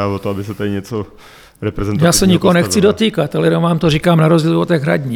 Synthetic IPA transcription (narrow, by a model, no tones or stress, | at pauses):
avot̪oabɪsɛt̪adɪɲɛt͡so | ɾɛpɾɛzɛnj̪aːsɛɲɪkoɦonɛkt͡sɪdot̪iːkat̪alɛjɛomvaːmt̪orikaːmnaɾozɟiːlot̪ɛːɣɦɾa̰ɟɲi